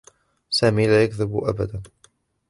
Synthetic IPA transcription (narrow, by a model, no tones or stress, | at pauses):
saːmiːlaːjakðɪbʔabad̪an